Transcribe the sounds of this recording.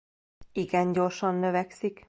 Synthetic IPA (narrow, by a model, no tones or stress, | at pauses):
iɡɛɲɟo̞rʃɒnːøvɛksik